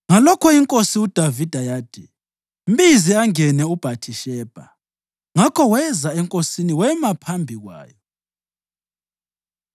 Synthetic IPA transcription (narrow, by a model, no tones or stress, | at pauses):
ŋalɔkʰɔiŋkʼosiud̥ʱavid̥ʱajaːd̥ʱɛ | m̩biziaŋɛnɛub̥ʱatʰiʃɛːb̥ʱa | ŋakʰɔwɛzaɛŋkʼosiniwɛmapʰambʱiɣwa̰ːjɔ